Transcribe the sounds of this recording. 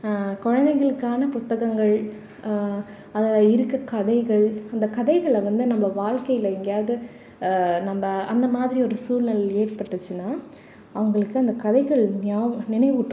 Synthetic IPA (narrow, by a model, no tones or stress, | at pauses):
kɔɻɐnd̪ɐɪɣɐɭɯkːaːnɐpʊt̪ːɐɣɐŋɡɐɭ | ɐðɐɪɾɯkːɐkɐðɐɪɣɐɭɐnd̪ɐkɐðɐɪɣɐɭʋɐnd̪ɯnɐmːɐʋaːɭkɐɪɪlɐɪŋɡɐjaːɐðɯ | nɐmːɐʔɐnd̪ɐmaːðɪɾiɔɾɯsuːlnɐlɐeːrpɐʈːɯt͡ʃːɯnːaː | ɐʋɐŋɡɐɭɯkːɯɐnd̪ɐkɐðɐɪɣɐɭnaːnɪnɐɪʋɯʈːɯ